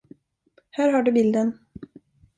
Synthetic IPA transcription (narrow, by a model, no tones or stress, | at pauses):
hæːɾɦaɖɵbɪld̪ən